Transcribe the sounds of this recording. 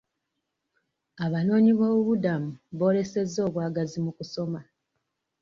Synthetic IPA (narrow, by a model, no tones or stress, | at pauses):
aβano̞ːɲiβoβuβudamuβo̞ːle̞se̞zːo̞ːβwaːɡazimukuso̞ma